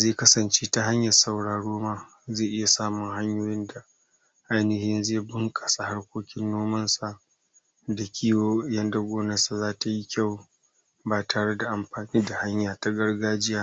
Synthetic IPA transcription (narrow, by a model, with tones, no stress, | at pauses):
zeː˦˨kɐ˦sɐ˨nt͡ʃeː˦ta˦ɦa˦ɲjɐ˨rsa˨wɽaː˨ɽoː˦maː˦ | zeː˦˨ʔɪ˦ja˨saː˦mʊ˨ŋɦa˦ɲjoː˦jɪ˦nda˨ | ʔa˦jnɪ˨hɪ˦nzeː˦˨bʊ˦ŋkʼa˨sa˨ha˦rkʷoː˦kʲɪ˦nːoː˦mɐ˦nsa˨ʔ | da˨kʲʰiː˦woː˦jɐ˦nda˦ɡʷoː˦nɐ˦sa˨zaː˦ta˨ji˦kʲa˦˨w | baː˨tʰaː˨ɽe˦da˨ʔa˨mɸaː˨niː˦da˨ha˦ɲjaː˨ta˦ɡɐ˦ɽɡaː˦d͡ʒɪ˦jaː˦